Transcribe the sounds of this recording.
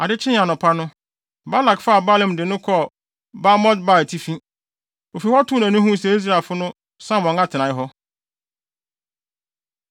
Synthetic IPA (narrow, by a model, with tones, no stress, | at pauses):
a˨dɪ˦t͡ɕʰɪ̃˦n˦ã˨nʊ̃˨pʰa˦nʊ̃˦ | ba˦la˨kfa˦˨ba˦lɛ̃˨mdɪ˨nʊ̃˦kʰɔ˦˨ | ba˦mɔ˦dba˦˨tʰi˦fĩ˦ | o˨fi˨hɔ˦tʰʊ̃˦næ̃˨nʊ̃˦ɦũ˦s̬ɛ˨i˦s̬ɾa˨fʊ˦nʊ̃˦ | sã˦˨mɔ̃˨ŋã˦tʰɪ˨nã˨ɪ˦ɦɔ˦